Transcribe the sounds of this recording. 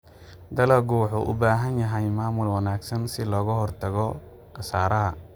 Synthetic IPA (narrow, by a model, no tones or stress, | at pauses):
d̪ɐlɐɡuːħʊʔʊ̰baːɦɐnjɐɦɛjmaːmʊlwɐnaːɡsɐnsɪlɔːɣɐɦɔrt̪ʰɐɣɔ | qɐsaːɾɐɦɐ